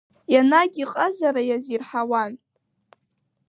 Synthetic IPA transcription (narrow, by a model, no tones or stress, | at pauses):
janaɡʲiqʼəzaɾajazirħawanʼ